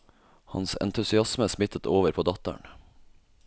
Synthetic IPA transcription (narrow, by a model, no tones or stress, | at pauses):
hɑ̰nsɛ̰nt̪ʰʉsɪɑsməsmɪt̪ʰət̪ʰoːʋəɾpʰoːd̪ɑt̪ə̰ɳ